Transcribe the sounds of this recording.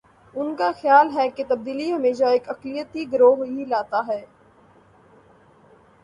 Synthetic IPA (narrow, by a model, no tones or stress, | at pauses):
ʊnkaxjaːlɦɛket̪ɐb̚d̪iːliɦɐmeːʃaeːkɐklijət̪iɡəɾoːɦilaːt̪aɦɛː